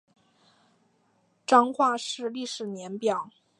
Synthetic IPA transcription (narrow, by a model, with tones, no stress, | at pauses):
ʈ͡ʂɑ˥ŋxwa˥˧ʂɻ̩˥˧li˥˩ʂɻ̩˨˩njɛ˧˥npjɑ˨˩˦ʊ